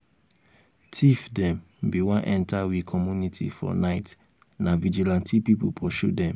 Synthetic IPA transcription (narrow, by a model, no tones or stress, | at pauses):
tʰifdɛ̃m | biwãnʔɛ̃ntawikʰɔmjunitʰḭfɔ̰naɪt | navid͡ʒilãntʰipipupʰɔʃudɛ̃m